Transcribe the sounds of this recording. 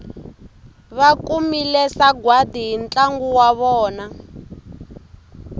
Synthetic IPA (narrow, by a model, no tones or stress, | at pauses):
βakumilɛsaɡwadiɦint͡ɬʼaŋɡuwaβɔːna